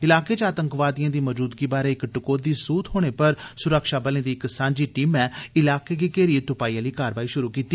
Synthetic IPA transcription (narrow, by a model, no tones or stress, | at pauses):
ɪlaːkeːt͡ʃaːt̪əŋkʋaːd̪ijãːd̪iːmɔd͡ʒuːd̪ɡiːbaːɾeːɪkʈʊkoːd̪iːsuːt̪ɦoːɽ̃eːpəɾsʊɾəkʃaːbəlẽːd̪iːɪksãːɲd͡ʒiːʈiːmɛːɪlaːkeːkiːkeːɾiet̪ʊpaːiːãːliːkaːɾʋaːiːʃʊɾuːkiːt̪iː